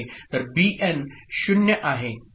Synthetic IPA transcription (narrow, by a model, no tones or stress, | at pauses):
t̪əɾbiːʔenɕʊnjəʔaɦe